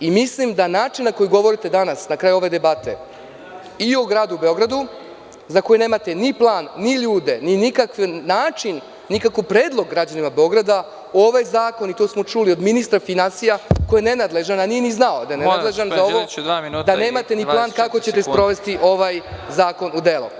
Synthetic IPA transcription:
imislimd̪anaːt͡ʃinnːako̞juɡo̞ʋo̞ɾit̪ed̪anasnakɾaːjuo̞ʋe̞d̪e̞bat̪e̞̰ | ioɡɾaːd̪uube̞o̞ɡɾad̪u | zako̞jeneːmat̪e̞niplˠaːnːiʎuːd̪e̞ninikakʋːaːt͡ʃinː | ikakopɾe̞ːd̪lˠo̞ɡːɾad͡ʑanimabeo̞ɡɾad̪a | oʋajzaːko̞nit̪osmo̞t͡ʃulio̞d̪minist̪ɾafinansijakojenenad̪le̞ʒananieniznaod̪ajenealeʒanaoʋod̪aminːd̪ane̞ːmat̪eniplˠaːnkako̞t͡ɕet̪e̞spɾo̞ʋe̞st̪iʔo̞ʋajzaːko̞nud̪e̞lṵ

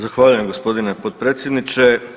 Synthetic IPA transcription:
zaxʋaːʎuje̞mɡospo̞d̪inepot̪̚pɾet̪sʲjed̪nit͡ʃe

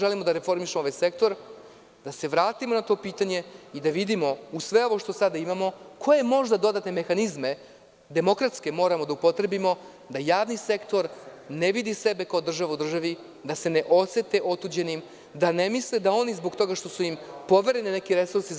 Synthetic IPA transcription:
ʒelimo̞d̪aɾefo̞ɾmiʃemooʋajse̞k̚t̪o̞ɾ | d̪ase̞ʋɾaːt̪imonat̪o̞ːpiːt̪aɲe̞id̪aʋid̪imo̞usʋe̞o̞ʋo̞ʂt̪o̞sad̪aimamo̞kʰo̞je̞mo̞ʒd̪ad̪o̞d̪at̪ne̞me̞xanizme̞ | d̪e̞mo̞kɾat̪ske̞mo̞ːɾamod̪aupo̞t̪ɾe̞bimo̞ | d̪ajaːʋnise̞kt̪o̞ɾ | neʋid̪ise̞be̞kaod̪r̩ʒaʋaud̪r̩ʒaʋi | d̪ase̞ne̞ʔo̞set̪e̞ʔo̞t̪uːd͡ʑe̞nim | d̪ane̞misled̪ao̞nizbo̞ɡt̪o̞ɡaʂt̪o̞suimpo̞ʋe̞ɾe̞nine̞kiɾe̞suɾsi

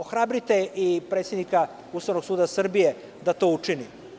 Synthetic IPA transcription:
oxɾabɾit̪eʔipɾet̪sjed̪nika | ust̪aʋnoɡsuːd̪asr̩bije | d̪at̪o̞ut͡ʂini

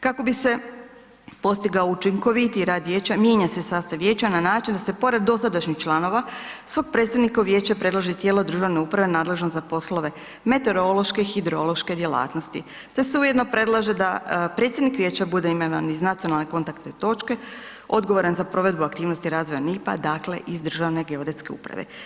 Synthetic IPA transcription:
kako̞bise̞ | po̞st̪iɡaout͡ʃiŋko̞ʋit̪iɾaːd̪ʋjeːt͡ɕamje̞ɲasesaːst̪aʋjeːt͡ɕananaːt͡ʃind̪asepo̞ɾed̪̚dːo̞sad̪aʃɲixt͡ʃlˠano̞ʋasʋo̞ɡ̚pɾet̪st̪ad̪nikauʋje̞ːt͡ɕapɾe̞d̪laʒet̪jeːlˠod̪ɾ̩ʒaʋne̞uːpɾaʋe̞naːd̪le̞ʒnozapo̞slˠo̞ʋe̞ | me̞t̪e̞ɾo̞lˠo̞ʃke̞xid̪ɾo̞lo̞ʃke̞d̪jela̰ːt̪no̞st̪ḭ | t̪e̞seujed̪no̞pɾe̞dlˠaʒed̪apɾe̞ːt̪sjed̪nikʋje̞ːt͡ɕabud̪eimaʋa̰niznat̪sio̞nalˠneko̞nt̪akt̪net̪o̞t͡ʃke̞ | o̞d̪ɡo̞ʋoɾanzapɾo̞ʋe̞d̪buakt̪iːʋno̞st̪iɾaːzʋo̞janipa̰d̪akle̞̰ʔizd̪ɾr̩ʒaʋne̞ɡe̞od̪et̪ske̞ṵpɾa̰ʋḛ

